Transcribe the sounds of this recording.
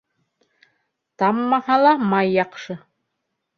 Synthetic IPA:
tamːaħalamajaqʂɨ

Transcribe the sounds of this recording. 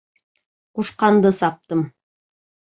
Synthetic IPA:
quʃqɑnd̪ɤsɑp̚t̪ɤm

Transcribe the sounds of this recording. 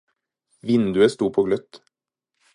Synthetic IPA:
ʋɪnd̪ʉəst̪uːpʰoːɡlœt̪

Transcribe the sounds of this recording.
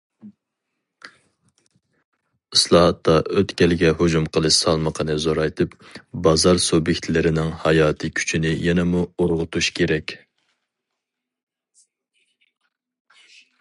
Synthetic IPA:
ɨslˠɑhɑt̪ːɑʔøt̪kʲɛlɡʲɛhod͡ʒumqʰəlˠɨʃsɑlˠməqʰənɨzoɾɑjt̪ʰɨp | bɑzɑɾsubjekʲt̪ʰlɪɾɪnɪŋhɑjɑːt̪ʰɨkʲʰy̥t͡ʃʰinɪjɛnɛmuoɾʁʊt̪ʰuʃkʲʰeɾɛkʲ

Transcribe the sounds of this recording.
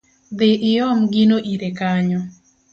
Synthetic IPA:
d̪ɪʔɪɔmɡinoʔiɾekaɲɔ

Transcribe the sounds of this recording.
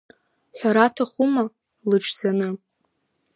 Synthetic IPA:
ħʷᶣaɾatʰaχuma | lɨʈ͡ʂʰd͡zanɨ

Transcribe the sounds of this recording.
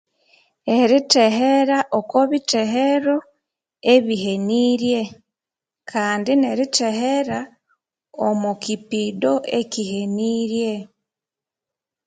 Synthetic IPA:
e̞ɾite̞ɦeɾaʔokoβiteɦeɾo̞ | e̞βihe̞niːɾje̞ | kʰaːndineɾite̞heɾa | omukipido̞ʔe̞kihe̞niːɾje̞

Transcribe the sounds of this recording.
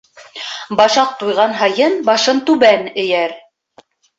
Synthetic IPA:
bɑʃɑq̚t̪ujʁɑnɦɑjɤnbɑʃɤnt̪ʉβænɘ̆jæɾ

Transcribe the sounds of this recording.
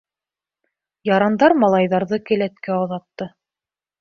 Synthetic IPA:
jɑɾɑnd̪ɑɾmɑlˠɑjðɑɾðɤkælæt̪̚kæoðɑt̪ːɤ

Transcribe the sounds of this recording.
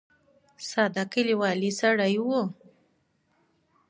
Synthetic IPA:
sad̪akiliwɑlisaɽajwo

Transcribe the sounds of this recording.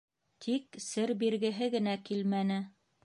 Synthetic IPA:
t̪ʰiksɘɾbiɾɡɘ̆ɦɘɡɘ̆nækilmænɘ

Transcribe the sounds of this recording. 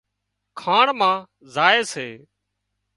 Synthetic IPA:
kʰaːɳmãː | zaːeːseː

